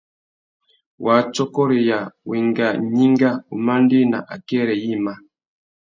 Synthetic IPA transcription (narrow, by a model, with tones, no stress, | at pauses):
wa˨˦t͡ʃɔ˦kɔ˦ɾi˨ja˨wi˨ŋɡa˨ɲi˦ŋɡa˦u˨ma˦n˦di˦na̰˨ʔa̰˨kɛ˦˨ɾɛ˨ji˦˨ma˦